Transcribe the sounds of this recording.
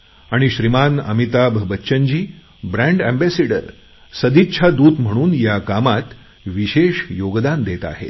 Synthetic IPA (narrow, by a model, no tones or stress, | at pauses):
aɽ̃iɕɾimanə̰mit̪abʱbətːɕənd͡ʑiː | bɾæ̃ɳɖæmbæseɽə̰ɾ | səd̪itːɕʰad̪uːt̪m̤əɽ̃uːnjakamat̪ | ʋiɕeɕjoɡd̪and̪et̪a̰ɦḛt̪